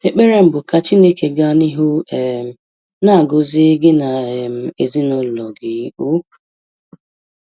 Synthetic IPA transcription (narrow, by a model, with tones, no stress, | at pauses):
e˦k͡pe˦ɾe˦m̩˦bʊ˨ka˨t͡ʃi˦ne˦ke˨ɡa˦ni˦ɦu˦e˨m̩˨ | na˦˨ɡʊ˨zɪ˦ɡɪ˦na˨e˨m̩˨e˨zi˦nʊ˦llɔ˨ɡɪ˨˦u̥˦˨